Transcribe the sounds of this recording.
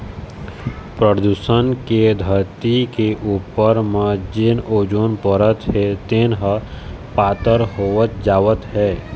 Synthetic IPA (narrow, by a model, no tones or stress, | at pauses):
pɾəd̪uːsənked̪ʱəɾt̪ikeʔuːpəɾmə̃d͡ʒɪnoːd͡ʒoːnpəɾət̪ɦɛt̪enɦəpaːt̪əɾɦoːət̪̚d͡ʒaːʋət̪ɦɛː